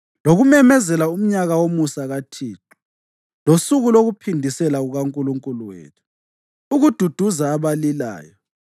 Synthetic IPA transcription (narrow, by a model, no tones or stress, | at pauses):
loɣumɛmɛzɛlaum̩ɲaɣawomusaɣatʰiːǃu̥ | losuɣuloɣupʰindʱisɛlaɣuɣaŋkʼuluŋkʼuluwḛːtʰu̥ː | ɣud̥ʱud̥ʱuzaːβalila̰ːjɔ